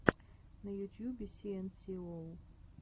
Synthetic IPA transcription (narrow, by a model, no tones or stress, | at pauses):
nɐjut̪ʲjubʲisiɛnsiol